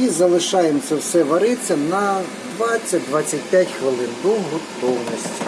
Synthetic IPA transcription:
izɐlˠɪʃɑjemt̪sɛwsɛʋɐɾɪt͡sʲːɐnɐ | d̪ʋɑt͡sʲːɐtʲd̪ʋɑt͡sʲːɐt̚ʲpʲjatʲxʋɪlˠɪnd̪uɦɔt̪ɔwnɔsʲtʲ

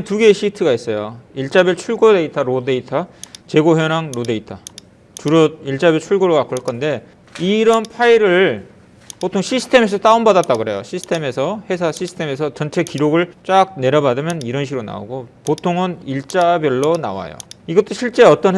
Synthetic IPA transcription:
ntuɡe̞ːɕʰitʰɯɡais͈ʌjoiɭt͡ɕ͈abjʌɭt͡ɕʰuɭɡode̞itʰaɾode̞itʰat͡ɕe̞ɡoɦjʌɾaŋɾode̞itʰa | t͡ɕuɾʌiɭt͡ɕ͈abjʌɭt͡ɕʰuɭɡoɾokak͈oɭk͈ʌnde̞ | iɾʌnpʰaiɾɯɭ | potʰoŋɕʰisʰɯ̥tʰe̞me̞s̬ʰʌs͈aumbadat̚t͈aɡɯɾɦe̞joɕʰisʰɯ̥tʰe̞me̞sʰʌhe̞sʰaɕʰisʰɯ̥tʰe̞me̞sʰʌt͡ɕʌnt͡ɕʰe̞kiɾoɡɯɭt͡ɕ͈ak̚ne̞ɾʌbadɯmjʌniɾʌnɕʰiɾona̰o̰ɡopotʰoŋɯniɭt͡ɕ͈abjʌɭːona̰wa̰jo̰iɡʌt͈oɕʰiɭt͡ɕ͈e̞ʌt͈ʌn

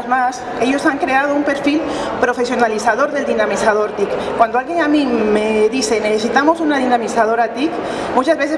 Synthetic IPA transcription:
zmas | eʎosaŋkɾeað̞oumpeɾfilpɾofesjonalisaðoɾðeld̪inamisað̞oɾt̪ikkːwand̪oalɣeŋamimeðisenesesit̪amosunað̞inamisað̞oɾat̪ik | mot̪azβes̬e

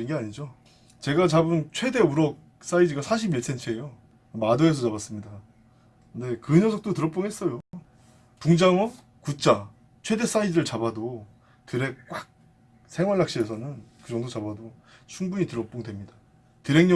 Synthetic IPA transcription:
inɡe̞aɲid͡ʑo | t͡ɕe̞ɡat͡ɕabɯnt͡ɕʰwe̞de̞uɾʌk̚ | s͈aidɯɡasʰaɕ̬ʰibiɭs͈ʰe̞nt͡ɕʰɯejo | madoe̞sʰʌt͡ɕabas͈ɯmɲida | ɯnde̞kɯɲʌsʰʌk̚t͈otɯɾʌkp͈oŋɦe̞s͈ʌjo | puŋd͡ʑaŋʌ | kut͡ɕ͈ʰa | t͡ɕʰwe̞de̞s͈aidɯɾɯɭt͡ɕabado | tɯɾe̞k̚k͈wak̚ | sʰe̞ŋwaɭːak̚ɕ͈iesʰʌnɯnkɯd͡ʑʌŋdot͡ɕabado | t͡ɕʰuŋbuɲitɯɾʌp͈oŋdwe̞mɲida | tɯɾe̞ŋɲʌ

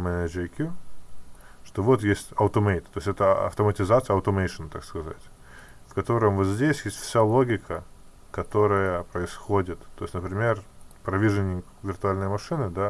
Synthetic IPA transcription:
mɛnʲəd͡ʒɪkʲju | ʂt̪ovo̞t̪jesʲtʲɐʊt̪əmejt̪ːoɪsʲɛt̪əɐ̰ft̪əmətʲɪzat̪sɨjəɐʊt̪əmejʂɨnt̪a̰kskɐza̰tʲ | fkɐt̪o̞ɾəmvot̪zʲdʲesʲjesʲtʲfsʲalˠo̞ɡʲɪkʰə | kɐt̪o̞ɾəjəpɾəɪsxodʲɪt̪t̪ːo̞ɪsʲnəpɾʲɪmʲe̞rpɾɐvʲiʐɨnʲɪkvʲɪrt̪ʊalʲnəjmɐʂɨnɨd̪a

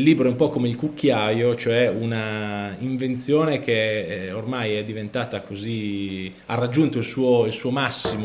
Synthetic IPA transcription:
lːiːbɾoɛumpɔkomeilkukʰːjaːjot͡ʃoɛunaiɱvent̪sjoːnek̟eormajɛd̪ːivent̪aːt̪akozi | arːad͡ʒːunt̪oilsuːoilsuːomasːimo

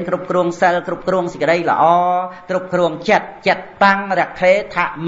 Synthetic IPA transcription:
nkrup̚kruəŋsəlkrup̚kruəŋsə̆kəɗəjlə̰̆ʔɑːkrup̚kruəŋt͡ɕət̪̚t͡ɕət̪̚paŋrɛ̆əkʰleːt̪ʰaʔm

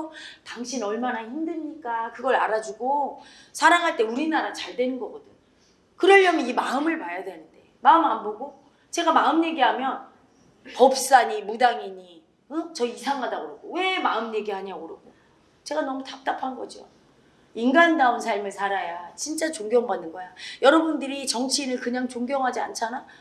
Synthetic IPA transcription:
taŋɕʰinʌɭmanaçimdɯɭɲik͈akɯɡʌɾa̰ɾad͡ʑuɡo | sʰaɾaŋɦaɭt͈e̞uɾinaɾat͡ɕaɭdwe̞nɯnɡʌɡʌdɯɲ | kɯɾʌɭːʌmjʌnimaɯmɯɭpajadwe̞nɯnde̞maɯmanboɡo | t͡ɕe̞ɡamaɯmje̞ɡiɦamjʌn | pʌp̚s͈aɲimudaŋiɲi | ɯt͡ɕʌisʰaŋɦadaɡoɾoɡowe̞maɯmɲje̞ɡiɦaɲaoɾɯɡo | t͡ɕe̞ɡanʌmutap̚t͈apʰanɡʌd͡ʑio̰ | inɡandaunsʰaɭmɯɭsʰaɾajat͡ɕint͡ɕ͈at͡ɕoŋɡjʌŋbanːɯnɡʌjajʌɾʌbundɯɾit͡ɕʌŋt͡ɕʰinɯɭkɯɲaŋt͡ɕoŋɡjʌŋɦad͡ʑia̰nt͡ɕʰana

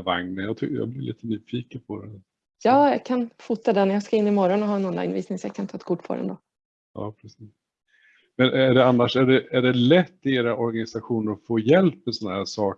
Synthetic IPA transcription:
va̰ŋnəjɑːt̪ʰʏjɑ̰blɪlʔḭːt̪ənyːfiːkənpʰɔd̪ɛn | jɑːjɑkʰanfut̪ːad̪ɛnjɑːɡskaɪnːɪmɔɾɔnɔɦɑːɛnɔnla̰jnvḭːsnɪŋsɔjakʰant̪ʰɑːɛt̪̚kʰʊʈːpʰɔ̰ɾɛ̰nd̪o̰ | ɑ̰ːpʰɾɛsiːs | mɛnæɖɛanːaʂæɖɛæɖɛlɛt̪ːɪeːɾaʔɔɾɡanɪsaɧuːnəɾɔfoːjɛlpmɛsɔnːahæːʂɑːk

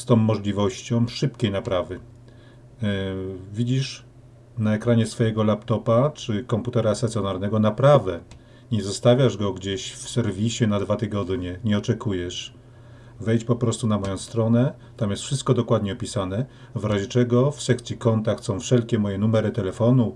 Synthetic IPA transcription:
st̪ɔ̃w̃ːɔʐlʲivɔɕt͡ɕɔ̃w̃ʂɘpkʲejnapɾavɘ | vʲid͡ʑiʂ | naɛkɾaɲɛsfɔjɛɡɔlapt̪ɔpat͡ʂɘkɔmput̪ɛɾast̪at̪sʲjɔnaɾnɛɡɔnapɾavɛ | ɲɛzɔst̪avʲjaʐɡɔɡd͡ʑeɕfsɛɾvʲiɕɛnad̪vat̪ɘɡɔd̪ɲɛɲɛɔt͡ʂɛkujɛʂ | vɛjt͡ɕpɔpɾɔst̪unamɔjɔ̃w̃st̪ɾɔnɛ | t̪amjɛst̪fʂɘst̪̚kɔd̪ɔkwad̪ɲɛɔpʲisanɛ | vɾaʑɛt͡ʂɛɡɔfsɛk̚t̪sʲjikɔnt̪akt̪sɔ̃w̃fʂɛlkʲɛmɔjɛnumɛɾɘt̪ɛlɛfɔnu

